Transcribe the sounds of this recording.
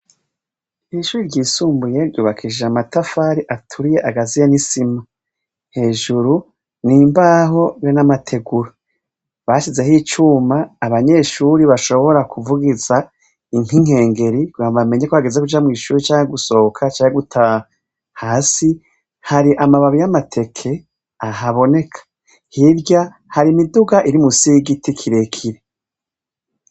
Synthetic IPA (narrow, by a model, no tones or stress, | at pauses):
iʃuːɾiɾɟiːsuːmbuje̞ɾɟuːβakʰid͡ʒeamatafaɾiʔatʰuɾije̞ʔaɡazijanisima | he̞ːʒuɾu | niːmbaɦo̞jonamatʰe̞ɡuɾa | βaʃize̞ɦiːt͡ʃuːmaːβaɲe̞ːʃuɾiβaʃo̞βo̞ɾakʰuvuɡiza | iŋ̥iŋ̥he̞ːŋɡe̞ɾiɡwaβame̞ɲekoβaɡezekud͡ʒamŋiːʃuːɾit͡ʃaːŋheɡuso̞kʰat͡ʃaːŋheɡutʰaa | haːsi | haɾiʔamaβaβijamatʰe̞kʰe̞ | aɦaβo̞ne̞kʰḁ | hiɾɟa | haɾimiduɡaʔiɾimusiɡitikʰiɾe̞kʰiɾe̞